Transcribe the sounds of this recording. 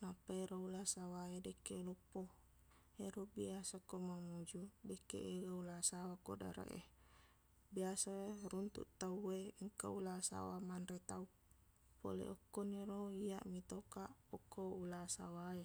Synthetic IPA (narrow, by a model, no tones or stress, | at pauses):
napaeɾoulasawaedekelɔpːo | eɾobiasakomamud͡ʒudekḛʔeɡaulasawako̰da̰ɾa̰ʔḛ | biasaerunt̪ṵʔt̪aueiŋkaulasa̰wamanɾet̪au | po̰lḛʔɔkːɔniɾoiaʔmit̪okaʔokːoulasawae